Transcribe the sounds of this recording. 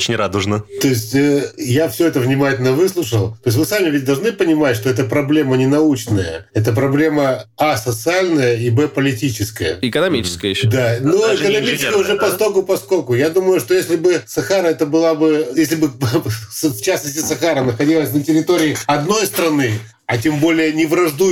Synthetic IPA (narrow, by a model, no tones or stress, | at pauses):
ot͡ɕɪnʲrad̪ʊʐnət̪o̞ɪsʲtʲəjafsʲoɛt̪əvnʲɪmatʲɪlʲnəvɨslˠʊʂəlˠt̪oɪsʲmɨsamʲɪvʲɪt̚ʲd̪ɐlˠʐnɨpənʲɪmatʲʂt̪o̞ɛt̪̬əpɾɐblʲe̞mənʲɪnɐut͡ɕnəjə̰ɛt̪əp̬ɾɐblʲe̞məasət̪sɨalʲnəjəibɛpəlʲɪtʲit͡ɕɪskəjə̰ɪkənɐmʲit͡ɕɪ̥skəjd̪anoɪkənɐmʲiɪ̥skəjəʊʐɛpɐst̪okʊpɐskokʊjad̪uməjʊʂt̪o̞jesʲlʲɪbɨsɐxaɾəɛt̪əbɨlˠabɨjesʲlʲɪbɨsft͡ɕasnəsʲtʲɪsɐxaɾənəxɐdʲilˠəsʲnətʲɪɾʲɪt̪o̞ɾʲɪːɐd̪no̞jst̪ɾɐnɨ | ɐtʲembolʲɪjənʲɪvɾɐʐd̪u